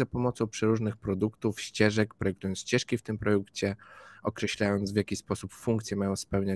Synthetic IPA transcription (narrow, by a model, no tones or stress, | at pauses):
apɔmɔt̪sɔ̃w̃pʂɛɾuʐnɘxpɾɔd̪ukt̪ufɕt͡ɕɛʐɛkpɾɔjɛkt̪ujɔnɕt͡ɕɛʂkʲift̪ɘmpɾɔd̪ukt͡ɕɛɔkɾɛɕlʲajɔnt̪zvʲjakʲispɔsupfuŋkt̪sʲjɛmajɔ̃w̃spɛwɲa